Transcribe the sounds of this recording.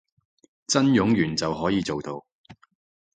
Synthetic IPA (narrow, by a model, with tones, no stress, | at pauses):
t͡sɐ˥njʊ˨˥ŋjyː˨˩nt͡sɐ˨wɦɔː˨˥jiː˨˧t͡so˨wt̪o˨w